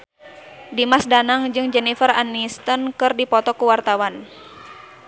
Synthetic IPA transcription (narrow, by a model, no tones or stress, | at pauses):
dimasdanaŋd͡ʒɨŋd͡ʒɛnifəranːist̪ənkɨrdipɔt̪ɔkuwart̪awan